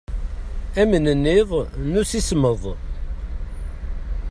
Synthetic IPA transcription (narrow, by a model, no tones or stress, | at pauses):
æmənənːɪðˤnusisməðˤ